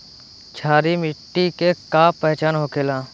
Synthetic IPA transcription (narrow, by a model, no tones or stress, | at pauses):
t͡ʃʰaːɾimɪʈːikekaːpɛɦt͡ʃaːnɦoːkelaː